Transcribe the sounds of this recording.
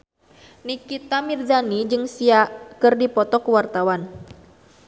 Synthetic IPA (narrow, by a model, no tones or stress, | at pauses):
nikit̪amird͡ʒanid͡ʒɨŋsiaʔkɨrdipɔt̪ɔkuwart̪awan